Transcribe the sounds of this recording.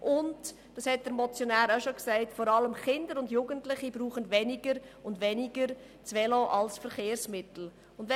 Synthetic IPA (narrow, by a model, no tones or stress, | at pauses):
ʔʊnd | d̥ɑshɛt̚d̥əɾmɔt͡sjɔnæːɾaʃoksæɪtfɔɾɑləmχɪndəɾʊndjuɡ̥əntlɪχibɾuːχənʋɛniɡəɾʊndʋɛniɡəɾ | t͡sʋɛloʔɑlsfəɾχeːɾsmɪtl̩ | ʊndʋɛ